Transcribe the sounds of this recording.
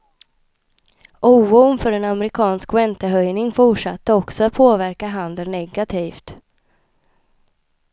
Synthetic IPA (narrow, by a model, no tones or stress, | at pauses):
ʔuːunfœɾɛnamɛɾɪkʰɑːnskwɛnt̪əɦœjnɪŋfʊʂat̪ːəɔksɔat̪̚pʰoːvæɾkaɦand̪əlnɛɡat̪ʰiːft̪